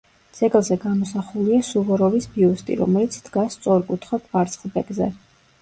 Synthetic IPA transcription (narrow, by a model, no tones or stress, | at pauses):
d̪z̥ɛɡlˠzɛɡamɔsaχuliasuvɔɾɔvisbiust̪ʼḭɾɔ̰mɛlit̪sʰd̪̥ɡasːt̪sʼɔɾkʼut̪ʰχɔkʼvaɾt̪sʰχlˠbɛɡzɛ